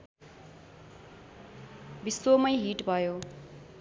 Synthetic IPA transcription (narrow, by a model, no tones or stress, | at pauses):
bisomʌjɦiʈbʱʌjo